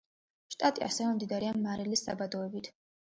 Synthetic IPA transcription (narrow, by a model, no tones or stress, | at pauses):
ʃt̪ʼat̪ʼia̰sɛvɛmd̪id̪aɾiamːaɾilisa̰bad̪ɔɛbit̪ʰ